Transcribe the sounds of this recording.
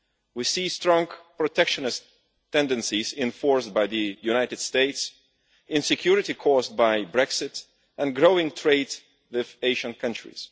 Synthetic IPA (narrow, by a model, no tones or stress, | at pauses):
wisistɹɔ̃ŋɡpɹɔtʰɛkʃə̃nɨs | tʰɛ̃ndɨ̃nsizɪ̃ɱfɔɹsbaɪðɨjuñaɪtɨd̥steɪts | ɪ̃nsɨkʰj̥ʊɹɨtikʰɔz̚baɪbɹɛksɪt | ɨ̃nɡɹoʊɪ̃ŋtʰɹeɪdz | wɪðeɪʒə̃nkʰʌ̃nt͡ʃɹ̥ḭz̥